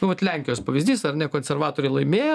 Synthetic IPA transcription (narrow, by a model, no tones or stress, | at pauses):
nʊʋɐt̪lʲæŋʲkʲɪjoːspɐʋʲɪzʲd̪ʲiːsɐrnʲɛkoːnʲsʲɛrʋɑːt̪oːɾʲɛɪlˠɐɪmʲeːjɛ